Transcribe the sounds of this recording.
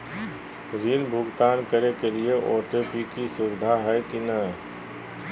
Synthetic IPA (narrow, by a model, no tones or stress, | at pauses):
ɾiːnbʱʊɡt̪aːnkəɾekelieʔɔːʈepikisʊʋɪd̪ʱaɦɛkinɐɦ